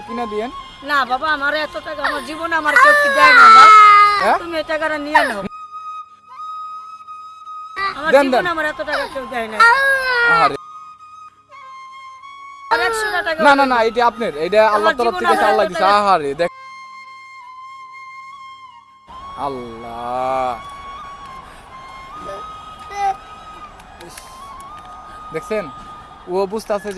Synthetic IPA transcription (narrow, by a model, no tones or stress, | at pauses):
pinad̪ijen | nababaamaɾɛt̪oʈakaamaɾd͡ʑibonamaɾɡot̪id͡ʒajnanaɛt̪umiejʈakaɾanijanaɦn | amaɾd̪ɛnd̪ɛnamaɾɛt̪oʈakakewd͡ʒajnaaɦaɾe | ɛoʈakakenananaejʈ̬iap̬neɾejʈaalːaɾt̪ɔɾap̚t̪ʰiesalːad̪isaɦaɾed̪ɛ | alːa | d̪ɛkʰsen | uobud͡ʑt̪ase